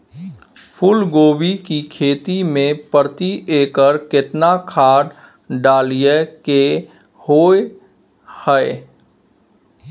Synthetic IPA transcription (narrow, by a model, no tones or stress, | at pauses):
pʰʊlɡoːbikikʰeːt̪imẽpəɾt̪iʔeːkəɾkɪʈnakʰaːɖ | ɖaːlijeke | hoːe | hɛe